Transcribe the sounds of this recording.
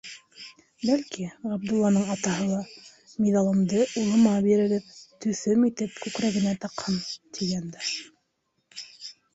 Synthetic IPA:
bælkiʁɑb̚d̪ulˠːɑnɤɴɑt̪ɑɦɤlˠɑ | miðɑlˠɤ̆md̪ɤʔulˠɤ̆mɑbiɾɘ̆ɾɘp̚t̪ɵ̆θɵmit̪ɘp̚kʉkɾæɡɘ̆næt̪ɑqhɤnt̪ʰijænd̪æ

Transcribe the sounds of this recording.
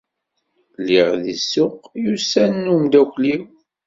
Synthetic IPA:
lːiʁðisːʊqjusænːumd̪ækʷliw

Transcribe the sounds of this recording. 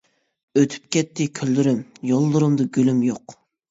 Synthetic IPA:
øt̪ʰy̥p̚kʲʰɛt̪ːɪkʲʰølːyɾymjolˠːuɾumd̪ɨɡʲølymjoq

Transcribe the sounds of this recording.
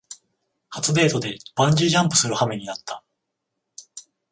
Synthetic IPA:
hat͡sɨd̪e̞ːt̪o̞d̪e̞b̥ãɲ̟d͡ʑiʑãmpɯ̟sɨɾɯ̟hame̞ɲ̟inat̪ʰːḁ

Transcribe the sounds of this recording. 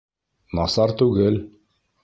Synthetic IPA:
nɑsɑɾt̪ʉɣɘl

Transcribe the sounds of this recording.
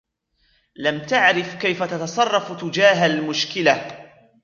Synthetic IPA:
lamt̪aʕɾɪfkajfat̪ɑt̪ɑsˤɑrˤːɑft̪ʊd͡ʒaːɦalmʊʃkɪla

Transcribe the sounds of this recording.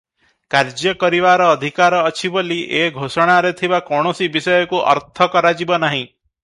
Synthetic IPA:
kaɾd͡ʒjɔkɔɾiβaɾɔːd̪ʱikaɾɔːt͡ʃʰiboliʔeɡʱosɔɽ̃aɾet̪ʰibakɔɽ̃ɔsibisɔjɔkuʔɔ̰ɾt̪ʰɔkɔɾad͡ʒibɔnaɦĩ

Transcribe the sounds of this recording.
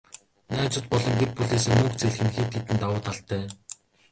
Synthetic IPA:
næːt͡sʊ̆t̪̚pɔɮɞ̆ŋɡer̚puɮeːseːmɵkt͡seɮxɘ̆nxiːt̪ʰːet̪ɘ̆nt̪awʊːt̪ʰaɬt̪ʰːæː

